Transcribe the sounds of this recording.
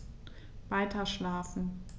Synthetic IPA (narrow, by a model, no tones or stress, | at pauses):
vaɪtʰɐʃlaːfn̩